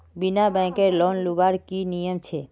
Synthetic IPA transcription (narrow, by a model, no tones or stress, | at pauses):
binabɛ̃keɾlɔnlubaɾkinijəmt͡ʃʰe